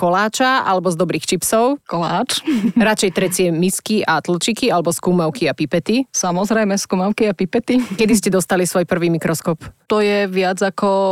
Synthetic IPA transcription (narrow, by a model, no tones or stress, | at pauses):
kɔlaːt͡ʃaa̰lɛbɔzd̪ɔbɾiːxt͡ʃipsɔʊkɔlaːt͡ʃɾat͡ʃɛjt̪ɾɛt͡sɪɛmiskiʔat̪l̩t͡ʃikialɛbɔskuːmaʊkiapipɛt̪isamɔzɾɛjmɛskuːmaʊkiapipɛt̪ikɛd̪is̬cɛd̪ɔst̪alisʋɔjpr̩ʋiːmikɾɔskɔpt̪ɔjɛʋɪad͡zakɔ